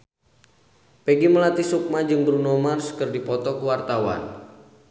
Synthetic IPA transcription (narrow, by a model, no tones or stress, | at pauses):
peɡiməlat̪isuk̚mad͡ʒɨŋbɾunɔmarskɨrdipɔt̪ɔkəwart̪awa̰n